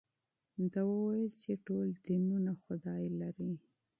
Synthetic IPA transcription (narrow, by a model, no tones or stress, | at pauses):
d̪awəwajəlt͡ʃeʈold̪inunaxʊd̪ɑjlaɾi